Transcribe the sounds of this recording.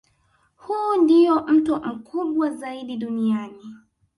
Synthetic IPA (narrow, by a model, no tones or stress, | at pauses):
huːndijɔm̩tum̩kʰuɓwazaiɗiɗuniani